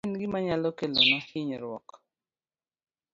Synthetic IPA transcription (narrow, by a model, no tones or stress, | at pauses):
nɡɪmaɲalɔkelomahɪɲɔɾwɔ̰k